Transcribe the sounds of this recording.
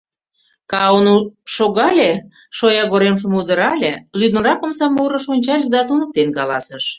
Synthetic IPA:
kɑonuʃoɣɑlʲe | ʃojɑɣoɾemʒə̆mud̪əɾɑlʲelyd̪ə̆ɾɑkə̆msɑmuɾə̆ʃonʲt͡ɕɑlʲd̪ɑt̪unək̚t̪enkɑlɑsəʃ

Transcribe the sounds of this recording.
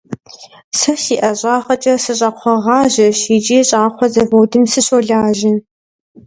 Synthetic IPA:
sɐsiːʔɐɕʼaːχɐt͡ʃʼɐsɨɕʼɐqʷʰɔʁɑːʑɐʃid͡ʒʼiːɕʼaːqʷʰɔzɐvowdɨmsɨɕoɮaːʒɪn

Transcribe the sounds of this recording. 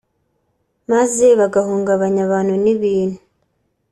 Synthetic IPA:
maze̞βaɡahuːŋɡaβaɲaβaːnhuniβiːnu

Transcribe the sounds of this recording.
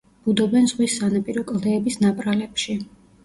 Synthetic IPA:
b̥ud̪ɔbɛnzʁwisːanapʼiɾɔkʼlˠd̪ɛːbisnapʼɾalɛpʃi

